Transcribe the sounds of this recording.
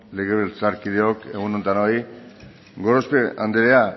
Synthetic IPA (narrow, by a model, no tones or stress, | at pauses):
le̞ɣeβelt͡saɾkiðeo̞ke̞ɣuno̞nt̪anoj | ɡo̞ɾospe̞and̪eɾea